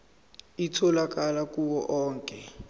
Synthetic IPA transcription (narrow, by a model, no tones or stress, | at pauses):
itʰɔlak̬alakuwɔʔɔːŋkʼɛ